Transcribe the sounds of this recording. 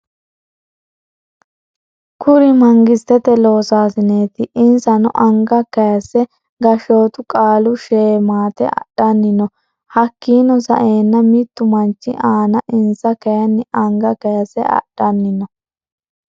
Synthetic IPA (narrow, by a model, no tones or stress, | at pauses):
kʰʊɾɪmɐŋɡɪst̪ːɛt̪ɛlo̞ːsaːsɪneːt̪ɪʔɪnsɐnɔʔɐŋɡɐkɐjɐsːɛ | ɡɐʃoːt̪ʊkʼaːlʊʃeːmaːt̪ɛ̰ʔɐ̰ɗɐnːɪnɔ | hɐkːiːnɔsɐ̰ʔeːnːɐmɪt̪ːʊmɐnt͡ʃːɪ̰ʔaːnɐʔɪnsɐkɐjɐnːɪʔɐŋɡɐkɐjɐsɛ̰ɐ̰ɗ̥ɐnːɪnɔ